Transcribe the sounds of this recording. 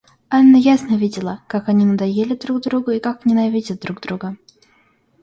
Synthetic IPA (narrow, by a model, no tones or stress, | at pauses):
anːəjasnəvʲidʲɪlˠəkakɐnʲinəd̪ɐjelʲɪd̪ɾuɡd̪ɾuɡʊikaknʲɪnɐvʲidʲət̪̚d̪ɾuɡd̪ɾuɡə